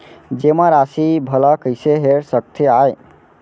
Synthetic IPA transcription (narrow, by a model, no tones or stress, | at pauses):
d͡ʒemãɾasibʱəlakəɪseɦeɾsək̚t̪ʰeaj